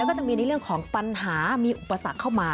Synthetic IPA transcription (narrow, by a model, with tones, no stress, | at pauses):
wkɔː˥˩t͡ɕa˨˩miː˧na˧jɾɯ˥˩əŋkʰɔː˩˦ŋpa˧nɦaː˩˦miː˧ʔu˨˩pːa˧sa˨˩kʰːa˥˩wmaː˧